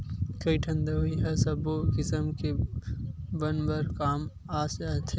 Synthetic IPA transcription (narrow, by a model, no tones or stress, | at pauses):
kɐiʈʰə̃nd̪aiɦɛsɐbokɪsəmke | bɐnbəɾkaːm | aːsat̪ʰe